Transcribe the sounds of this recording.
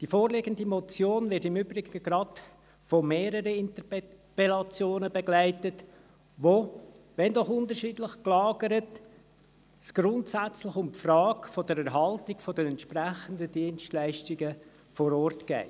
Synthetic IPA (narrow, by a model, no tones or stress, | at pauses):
d̥ifoːɾlɪɡəndimɔt͡sjoːnvɪɾtɪmybɾɪɡəɡ̥ɾɑd̥ | fomeːɾəɾəɪnt̪ə | pelɑt͡sjoːnəbeɡlæɪtət | ʋo | ʋɛndɔχʊndəɾʃiːdlɪχklɑːɡəɾət | sɡ̥ɾʊntsæt͡slɪχʊmpfrɑːkfɔd̥əɾæɾɦɑltɪɡfɔdənɛntʃpræχəndədiənstlæɪʃtiɡə | fɔɾɔrtɡ̥ɛ̰ɪ